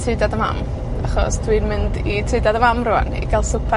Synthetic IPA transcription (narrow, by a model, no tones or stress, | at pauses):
tʰrɪdadəma̰m | aχɔ̰sd̥winmɪnditʰɪdadəmamrua̰nḭɡalˠsʊpʰɛ